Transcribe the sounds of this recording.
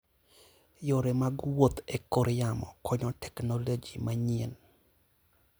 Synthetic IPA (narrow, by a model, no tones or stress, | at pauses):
joɾemaɡwot̪ekoɾɪjamɔ̰kʰɔɲɔtɛknɔlod͡ʒimaɲen